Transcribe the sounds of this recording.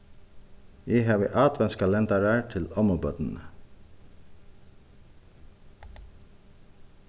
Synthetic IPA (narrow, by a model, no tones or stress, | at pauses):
iːhɑːʋḭːʔɑːt̪ʋɛnskʰɑlɛnt̪ɑɹæːtʰɪlɔməbœd̪n̩